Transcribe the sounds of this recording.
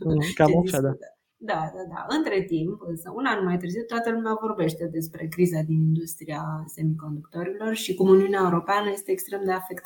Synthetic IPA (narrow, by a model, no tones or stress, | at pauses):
kamaʃad̪a | d̪ad̪ad̪a̰ʔɨnt̪ɾe̞t̪impɨnsəunanmajt̪ɨrziwt̪ːoat̪əlumeavo̞rbe̞ʃt̪e̞d̪e̞spɾe̞kɾizad̪inind̪ust̪ɾiase̞miko̞nd̪ukt̪o̞ɾilo̞rʃikumuniuneaeuɾo̞peanəje̞st̪eːkst̪ɾe̞md̪e̞afe̞kt̪